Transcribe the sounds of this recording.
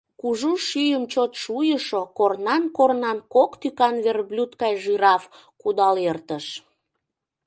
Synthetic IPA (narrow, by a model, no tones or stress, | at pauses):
kuʒuʃyjəmt͡ɕot̪ʃujəʃokornɑnkornɑnkokt̪ykɑnβerblʲut̪kɑjʒyɾɑf | kud̪ɑlert̪əʃ